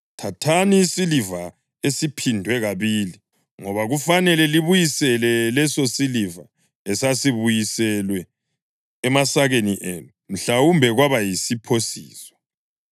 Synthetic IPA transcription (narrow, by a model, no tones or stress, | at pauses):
tʰatʰaniːsiliva | esipʰindʱwɛɣaβiːli | ŋɔβaɣufanɛlɛliβujisɛlɛlɛsosiliva | ɛsasiβujisɛlwɛː | masaɣeniʔenum̩ɬawumbʱɛɣwaβajisipʰosḭːsɔ̥